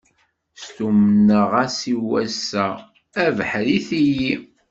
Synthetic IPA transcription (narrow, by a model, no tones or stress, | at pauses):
st̪umənəʁasiwæsæ | ævħɾiθiji